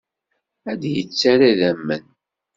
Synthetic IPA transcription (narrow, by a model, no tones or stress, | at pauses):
æd̪jət͡sːaɾæðæmːən